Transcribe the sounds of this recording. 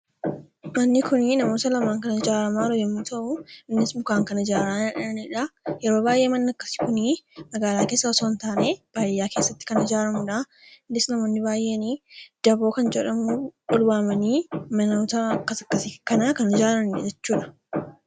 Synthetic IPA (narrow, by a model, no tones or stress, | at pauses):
mɐnːɪkʊninɐmoːt̪ɐlɐmaːŋkɐnɐd͡ʒaːɾɐmaːɾɔjɛmːuːt̪ɐʔʊɪnːɪsbʊkaːŋkɐnɐd͡ʒaːɾaːᶑɐnɐniᶑɐjɛɾo̞ːbaːjʔe̞ːmɐnːɐkːɐ̥sɪ̥kʊnimɐɡaːlaːkeːsːɐɔsoːnt̪aːneːb̥aːjːaːkeːsːɐt̪ːɪ̥kɐnɪd͡ʒaːɾɐmʊᶑa | nːɪsnɐmo̞ːnːɪbaːjʔe̞ːniːd̪̥ɐbo̞ːkɐnd͡ʒɛᶑɐmuʔɔlbaːmɐniːmɐnoːt̪ɐkːɐsɐkːɐsɪkɐnaːkɐnɪd͡ʒaːɾɐmːɛ̰d͡ʒɛt͡ʃːuːᶑɐ̥